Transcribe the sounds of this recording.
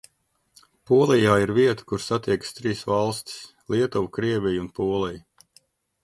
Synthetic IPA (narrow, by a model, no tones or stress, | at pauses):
puɔlˠijaːiɾviɛt̪u̥kuɾsat̪iɛkst̪ɾiːsvalˠst̪i̥s | lˠiɛt̪ɔvukɾiɛvʲijunpuːɔlˠɛj